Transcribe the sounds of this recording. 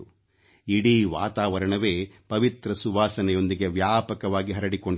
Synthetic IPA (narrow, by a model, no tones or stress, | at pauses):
iɽiːʋaːt̪aːʋɐɾɐɳɐʋeːpɐʋit̪ɾɐsuʋaːsɐnɛjo̞nd̪iɡeʋjaːpɐkɐʋaːɡiɦɐɾɐɽiko̞ɳ